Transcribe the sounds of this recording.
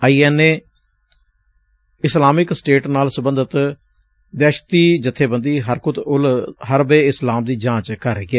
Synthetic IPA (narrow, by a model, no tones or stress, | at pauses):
əiːɛːneː | ɪslaːmɪksʈeːʈnaːlsəbənd̪ət̪ | d̪ɛːʃt̪iːd͡ʒət̪ʰːeːbənd̪iːɦəɾkʊt̪ʊlɦəɾbeːɪslaːmd̪iːd͡ʒãːt͡ʃkəɾeːɡɛː